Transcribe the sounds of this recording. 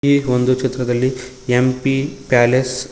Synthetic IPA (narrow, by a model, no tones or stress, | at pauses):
iʋond̪ut͡ʃit̪ːɾɐd̪ɐlːi | empipaːles